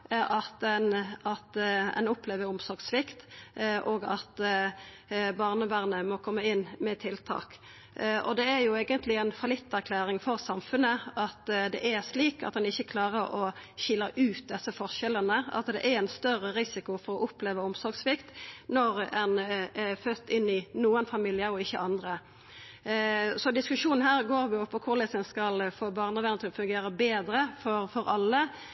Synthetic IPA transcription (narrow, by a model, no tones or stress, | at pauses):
ʔɑt̪ɛnɑt̪ɛ̰nʊpleːʋəɾʊmsɔʁɡsʋɪkt̪ʔoːɡɑt̪ | bɑːʁnəbæʁnəmɔkʰɔmːəɪnːmɛt̪ʰɪlt̪ʰɑ̰ːk | ʔɔ̰d̪ɛæɾjʊeːɡənt̪lɪænfɑlɪt̪ːæʁkʰlæːɾɪŋfɔʁsɑmfʉnəɑt̪d̪ɛ̰ʔæɾsliːkɑ̰t̪̚d̪ɛnɪçːəkʰlɑːʁəɾɔçɪlːəʔʉːt̪̚d̪ɛsːəfɔʁʂɛlənəɑ̰t̪d̪ɛ̰ʔæɾɛnst̪œɾəɾɪsɪkʊfɔɾɔʔʊpleːʋəɔmsɔɾɡsʋɪkt̪nɔɾɛnɛfœt̪ːɪnːɪnuːənfɑmɪljəɾɔɪçːəʔɑnd̪ɾə | sɔd̪ɪskʉʂuːnn̩hæːʁɡoːɾʋɪʊpʰːɔkʰʊʁlɛsɛnskɑlfoːbɑːʁnəʋɛnət̪ʰɪlɔfʉŋɡeːɾəbeːd̪ɾəfɔɾfɔɾɑlːə